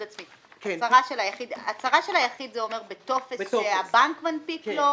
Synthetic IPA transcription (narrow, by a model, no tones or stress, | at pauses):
dat͡smi | ksaʁaʃelajaχid̪at͡saʁaʃelhajaχid̪zeomeʁbet̪ofeeabankmanpiklo